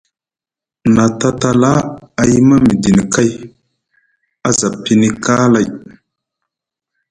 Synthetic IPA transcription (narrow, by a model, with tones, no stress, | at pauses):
na˨ta˦ta˨la˦a˨ji˦ma˦mi˨di˨ni˨ka˦j | a˦za˨pi˦ni˦ka˦la˨j